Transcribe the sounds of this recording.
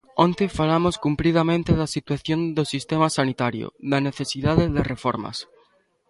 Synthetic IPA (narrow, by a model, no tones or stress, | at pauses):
õnt̪efalamoskumplið̞amẽnt̪eð̞asit̪waθjond̪osist̪emasanit̪aɾjo̰ðaneθesiðaðeðerefoɾma̰s